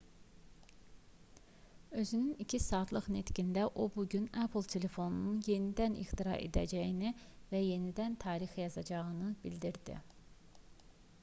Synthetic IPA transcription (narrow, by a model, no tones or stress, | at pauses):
ø̞zynynicʰisɑːt̪lˠɯχne̞t̪cind̪æʔo̞buɟynæpʰlˠt̪ʰe̞le̞fo̞nununje̞nid̪ænḭxt̪iɾɑ̰ʔe̞̰d̪æ̰d͡ʒæjinivæje̞nid̪ænt̪ʰɑːɾixjɑzɑd͡ʒɑɣɯnɯb̥ild̪iɾd̪ḭ